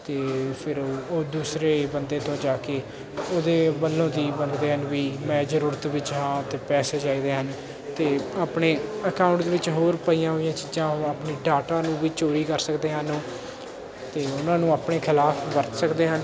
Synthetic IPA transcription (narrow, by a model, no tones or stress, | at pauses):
t̪eːpʰɪɾoːoːd̪uːsɾeːbənd̪eːt̪õːd͡ʒaːkeː | oːd̪eːbəlːõːd̪iːbəɡd̪eːɦənʋiːmɛ̃ːd͡ʒəɾuːɾət̪ʋɪt͡ʃɦãːt̪eːpɛːseːd͡ʒaːiːd̪eːɦən | t̪eːaːpɳeːəkãːʊ̃ɳʈd̪eːʋɪt͡ʃɦoːɾpəiːãːɦoːijãːt͡ʃid͡ʒãːɦaːpniːɖaːʈãːnũːʋiːt͡ʃoːɾiːkəɾsəkd̪eːɦənoː | t̪eːʊnãːnũːaːpɳeːkʰɪlaːfʰʋəɾt̪səkd̪eːɦən